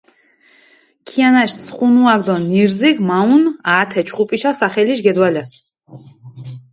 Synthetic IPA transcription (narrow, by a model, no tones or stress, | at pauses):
kʰianaʃsχunuaɡʰd̪ɔniɾziɡmaunaːt̪ʰɛt͡ʃʰχupʼiʃasaχɛliʃɡɛd̪walas